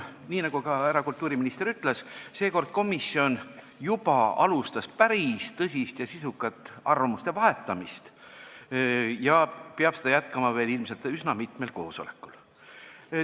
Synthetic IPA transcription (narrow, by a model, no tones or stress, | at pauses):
niːnɑɡ̥ukɑæɾɑkult̪ːˑuːɾiminist̪e̞ɾyt̪ːˑlesse̞ːko̞rd̪̥̚ko̞misːio̞n | jub̥ɑɑlust̪ɑspæɾist̪ɤsʲist̪jɑsisukːˑɑt̪ːˑɑrvɑmust̪e̞vɑɦe̞t̪ːˑɑmist̪ | jɑpeɑb̥sed̪ɑjæt̪kɑmɑve̞ːlilmse̞lt̪ysnɑmit̪melko̞̰ːso̞le̞̰kːˑul